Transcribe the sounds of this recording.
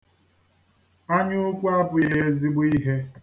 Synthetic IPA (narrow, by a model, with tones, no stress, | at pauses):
a˦ɲʊ˦kʷu˦a˦pʊ˨je˦e˦zi˦ɡ͡bʊ˦i˦ɦe˦